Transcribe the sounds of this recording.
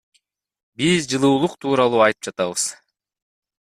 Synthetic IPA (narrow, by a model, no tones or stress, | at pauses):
bizd͡ʒɯlˠuːlˠuqt̪ʰuːɾɑlˠuːɑjt̪ɯp̚d͡ʒɑt̪ɑβɯz̥